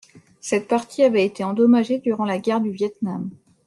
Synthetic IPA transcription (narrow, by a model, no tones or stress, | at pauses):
sɛt̪̚paʁt̪ʰiavɛet̪eɑ̃d̪ɔmaʒed̪yʁɑ̃laɡʲɛʁd̪yvjɛt̪nam